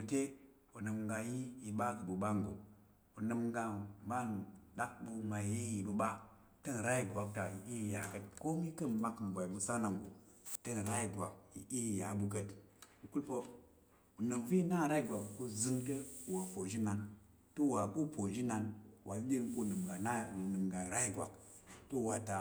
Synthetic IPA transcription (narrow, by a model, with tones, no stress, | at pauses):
u˨te˦ | o˨nɨ˨mŋɡa˧ji˦ji˨ɓa˦kə˨bu˨ɓa˦ŋɡo̰˨ | o˨nɨ˨mŋɡa˧˨ba˦˨n˨ɗa˦k̚ɓu˧ma˨je˦ji˨bə˨ɓa˦ | tə˦n˨ɾa˦ji˨ɡʷa˨k̚ta˨ji˨i˦i˨ja˨kə˦t̚ko˦mi˦kə˦nma˦km̩˨bʷa˨i˨bu˧sa˦na˨ŋɡo̰˨ | tə˦˨n˨ɾa˦i˨ɡwa̰˨kjḭ˨ʔi˦˨ja˨bu˨k̬ə˦t | u˨ku˦lpo˦ | u˨nɨ˨mvi˦na˦˨ɾa˦i˦ɡʷa˨kko˦zɨ˦ŋtə˦˨wa˨po˨ʒi˦na˨n | to˦˨wa˨ko˦po˨ʒi˦na˨nwʔa˨˦d͡ʒi˦n˦ko˦˨nɨ˨m˨ɡa˨na˦u˨nɨ˨mɡa˨ɾa˦i˦ɡʷa̰˨k | to˦˨wa˨ta˨